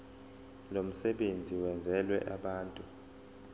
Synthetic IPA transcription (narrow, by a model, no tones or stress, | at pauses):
lom̩sɛɓend͡zʱiwɛnd͡zʱɛlwɛ̰ʔaɓaːntʼu